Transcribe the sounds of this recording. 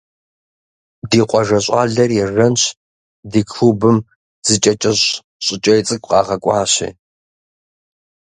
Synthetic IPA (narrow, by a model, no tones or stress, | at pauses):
diːqʷʼɔʒɐɕʼɑːɮɐrjɛrɐnɕʰ | diːkʰubɨm | z̥ɨt͡ʃʼɐt͡ʃʼɐɕ | ɕʼɪt͡ʃʼɐjt͡sʼɨkʷʼqɑːʁɐkʷʼɑːɕḭː